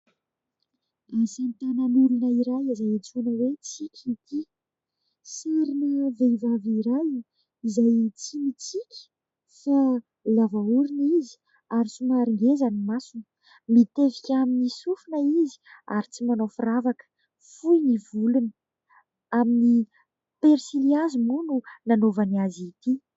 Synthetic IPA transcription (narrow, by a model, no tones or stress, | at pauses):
asant̪ananuɾunəiɾajizajat͡sunəwet͡sikʲʰit̪i | seɾinəvejvaviɾaj | izajt͡simit͡sikʲə̥ | fa | lavauɾinizi̥ | aɾit͡simaɾiŋɡezanimasunə | mit̪evikʲaminisufunəizi̥a̰ɾit͡simanofiravakə̥ | fujnivulunə̥ | amini | peɾsiliazimununanovanazit̪i